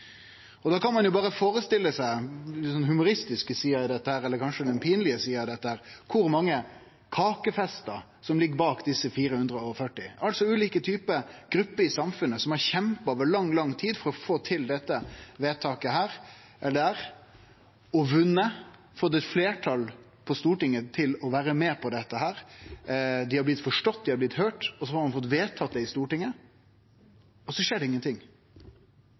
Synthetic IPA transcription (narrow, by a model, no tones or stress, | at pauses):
ɔd̪ɑːkɑnmɑnjʊbɑːɾəfoːɾəst̪ɪlːəsæɪsɔnːhʉmʊɾɪst̪ɪskəsiːɑɪd̪ɛt̪ːəhæːɾɛlːəɾkʰɑnʂəd̪ɛnpʰiːnəlɪəsiːɑɪd̪ɛt̪ːəhæːɾkʰʊɾmɑŋːə | kʰɑːkəfɛst̪əɾ | sɔmlɪɡəbɑːkd̪ɪsəfiːɾəhʉnd̪ɾəɔfœʈːɪʔɑlsɔʉːliːkət̪ʰyːpəɡ̥ɾʉpːəɾɪsɑmfʉnəsɔmæɾçɛmpɑːʋəɭɑŋːlɑŋt̪ʰiːd̪fɔɾɔfoːt̪ʰɪld̪ɛt̪ːəʋeːt̪ʰɑːkəɦæːɾ | ʔɛld̪ɛæːɾ | ɔʋʉnːə | fɔt̪ːɛt̪fleːʈʰɑl | pʰɔst̪uːʈɪŋːət̪ʰɪlɔʋæːɾəmeːpʰɔd̪ɛt̪ːəɦæːɾ | d̪ɪhɑɾblɪt̪fɔʂʈɔt̪̚ːd̪ɪhɑɾblɪt̪høːʈɔsɔhɑɾmɑnfɔt̪ːʋeːt̪ʰɑːt̪̚d̪ɛɪst̪uːʈɪŋːə | ɔsɔʂeːɖɛɪŋːənt̪ʰɪŋː